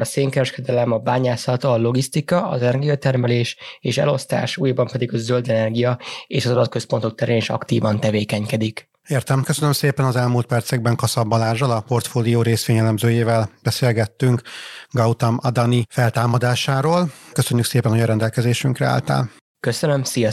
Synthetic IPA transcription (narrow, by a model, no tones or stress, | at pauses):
ɒseːŋkɛɾɛʃkɛd̪ɛlɛmɒbaːɲaːsɒt̪ɒːlo̞ɡist̪ikɒɒ̰zɛnɛrɡijɒt̪ɛrmɛleːʃeːʃɛ̰lo̞st̪a̰ːʃuːjɒbɒmpɛd̪iɡɒzøld̪ɛnɛrɡijɒeːʃɒzɒd̪ɒt̪̚kø̞spo̞nt̪o̞k̚t̪ɛɾeːneʃɒ̰kt̪iːvɒnt̪ɛveːkɛɲkɛd̪ik | eːrt̪ɛmkøsønømseːpɛnɒzɛlmuːlt̪pɛrt̪sɛɡ̚bɛŋkɒsɒbːɒlaːʒːɒlɒpo̞rt̪foːlijoːɾeːsʋeːɲɛlɛmzøːjeːvɛlb̥ɛseːlɡɛt̪ːyŋkɡɒwt̪ɒmɒd̪ɒnifɛlt̪aːmɒd̪aːʃaːɾoːlkøsøɲːykseːpɛnojɒɾɛnd̪ɛlkɛzeːʃyŋkrɛa̰ːlt̪a̰ːl | kø̞sønømsijɒ